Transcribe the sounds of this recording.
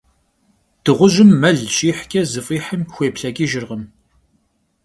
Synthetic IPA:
d̥ɨʁʷʊʒɪmːɐɮɕʼiːħkʲʼɐzɨfʼiːħəmxʷeːpɬɐɡʲʼiːʒɪrʁəm

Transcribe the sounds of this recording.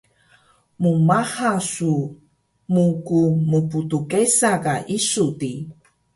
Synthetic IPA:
mumahasu | mukumuputukesakaʔisudi

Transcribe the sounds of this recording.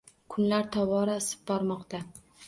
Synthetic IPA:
kʰʊnlaɾt̪ʰɒvɒɾasɪ̥b̚bɒɾmɒqt̪a

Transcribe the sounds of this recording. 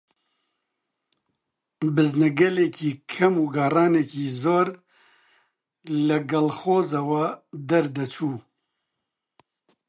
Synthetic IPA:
bɨznɛɡɐlekiːkʰɐmuːɡaːrɑːnekiːzoːɾ | lɐɡɐlxoːzawɐd̪ɐɾd̪ɐt͡ʃʰuː

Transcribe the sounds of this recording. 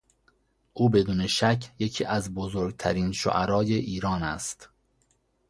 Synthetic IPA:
ʔuːbe̞d̪uːne̞ʃæcʰje̞cʰiːʔæzbozoɾɡ̚t̪ʰæɾiːnʃo̰ʔæɾɒːje̞ʔiːɾɒːnæ̰st̪

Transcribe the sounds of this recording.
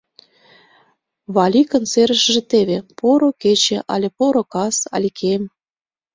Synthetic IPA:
βɑlʲikənseɾəʃʒĕt̪eβepoɾoket͡ɕeʔɑ̰lʲepoɾokɑsɑ̰lʲikʰem

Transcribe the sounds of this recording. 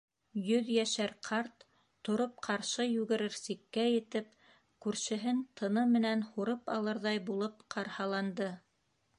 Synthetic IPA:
jɵðjæʃæɾqʰɑɾt̪ː | ŏɾop̚qʰɑɾʃɤjʉɡɘ̆ɾɘɾsikːæjɘ̆t̪ɘp̚ | kʉɾʃɘ̆ɦɘnt̪ʰɤ̆nɤmɘ̆nænhuɾɤpɑ̰lˠɤɾðɑjbulˠɤp̚qʰɑɾhɑlˠɑnd̪ɤ

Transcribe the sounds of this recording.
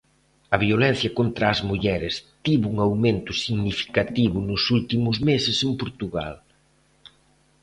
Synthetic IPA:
ɐβjolɛn̟θjɐkont̪ɾɐːzmuʎɛɾɪst̪iβuuŋawment̪ʊsiɣnifi̥kat̪iβʊnʊsult̪imʊzmesɪsempoɾt̪uɣa̰l

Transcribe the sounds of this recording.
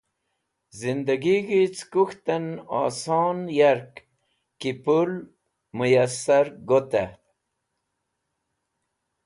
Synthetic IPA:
zind̪aɡiɡit͡skuxt̪anɑ̰ːsonjaɾk | kipul | mujasaɾɡot̪a̰

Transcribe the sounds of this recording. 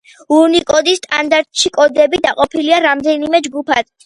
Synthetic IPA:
uɾnikʼɔd̪ist̪ʼa̰nd̪aɾt̪ʼʃikʼɔd̪ɛbid̪aqʼɔpʰiliaɾamd̪ɛnimɛd͡ʒɡupʰad̪̥

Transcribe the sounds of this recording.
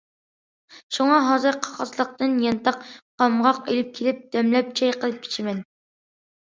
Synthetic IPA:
ʃuŋɑɦɑːzɨɾqʰɑ̥χɑzlˠəq̚t̪ɨnjɑnt̪ɑqqːɑmʁɑqelɪp̚kʲʰelɪp̚d̪̥ɛmlɛp̚t͡ʃʰɛjqʰəlˠɨp̚kʰe̥t͡ʃʰimɛn

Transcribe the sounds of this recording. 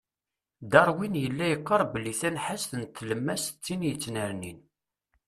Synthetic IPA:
d̪ɑɾˤwinjəlːæjəqːɑɾˤbəlːiθænħasθənt̪ːləmːæst͡sːinjət͡sːnəɾnin

